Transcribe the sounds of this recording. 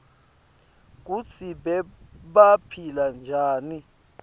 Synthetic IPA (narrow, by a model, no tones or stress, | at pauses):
k̬ut͡sʰiɓɛɓapʰiland͡ʒʱaːni